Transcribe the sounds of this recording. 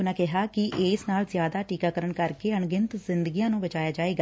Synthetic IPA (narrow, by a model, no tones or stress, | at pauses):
ʊnãːkɪɦaːkɪʔeːsnaːlzjaːd̪aːʈiːkaːkəɾəɳkəɾkeːəɳɡɪnt̪zɪnd̪əɡiːjãːnũːbət͡ʃaːjaːd͡ʒaːeːɡaː